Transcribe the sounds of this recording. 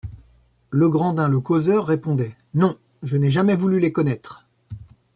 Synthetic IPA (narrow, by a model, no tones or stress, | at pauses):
ləɡʁɑ̃d̪ɛ̃ləkozœʁːepɔ̃d̪ɛ | nɔ̃ | ʒənɛʒamɛvulylekɔnɛt̪χ